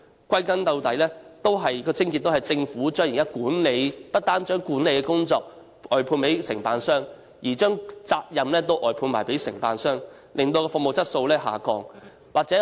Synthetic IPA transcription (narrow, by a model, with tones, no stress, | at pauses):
kʷɐ˥jkɐ˥nt̪ɐ˧wt̪ɐ˨˥jlɛː˥t̪o˥wɦɐ˨jkɔː˧t͡sʰɪ˥ŋki˧t̚t̪o˥hɐ˨˩jt͡sɪ˧ŋfuː˨˥t͡ʃœː˥ŋji˨ŋkaː˦˥kuː˨˥nle˨˧jpɐ˥t̚t̪aː˥nt͡ʃœː˥ŋkuː˨˥nle˨˧jkɛː˧kʊ˥ŋt͡sɔː˧k̚ | ʔɔː˨˩jpʰuː˧npe˨˥jsɪ˨˩ŋpaː˧nsœː˥ŋ | jiː˨˩t͡ʃœː˥ŋt͡saː˧k̚jɐ˨mlɛː˥t̪o˥wʔɔː˨˩jpʰuː˧nmaː˨˩jpe˨˥jsɪ̰˨˩ŋpaː˨nsœː˥ŋ | lʔɪ˨ŋt̪o˧wkɔː˧fʊ˧k̚mo˨wt͡sɐ˥t̚so˧wlɛː˥ɦa̰ː˨˩kɔ̰ː˧ŋ | waː˨k̚t͡sɛː˨˥